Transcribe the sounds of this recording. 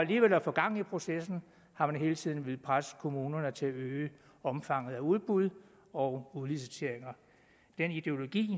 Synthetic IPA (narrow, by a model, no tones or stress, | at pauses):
æliːʋel̰æfɒ̽ɡ̥ɑ̈ŋ̰n̩ipʰʁo̝sesn̩ | hɑ̈mænɦe̝ːlət͡sʰið̞̰ˠn̩ʋe̝lˠpʰʁasə̥kʰo̝muːnɐnət͡sʰe̝æøː | ɒ̽mfɑ̈ŋ̰ð̩ˠæuðˠb̥uð̞ˠ | ɒ̽ʊuðˠlisit͡sʰe̝ɐ̰eŋɐ | d̥enid̥e̝o̝lo̝ɡ̥ḭː